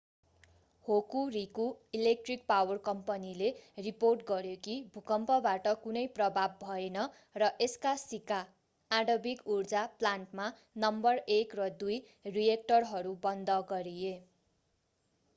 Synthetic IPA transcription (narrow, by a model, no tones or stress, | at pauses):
hokuɾikuilek̚ʈrik̚pawʌrkʌmpʌnileriporʈɡʌɾjokibʱukʌmpʌbaʈʌkunʌjprʌbʱabːʱʌenʌ | rʌʔeskasikaː | ɽʌbikurd͡zaplanʈma | nʌmbʌrekrʌd̪uj | rijek̚ʈʌrɦʌɾubʌnd̪ʌɡʌɾie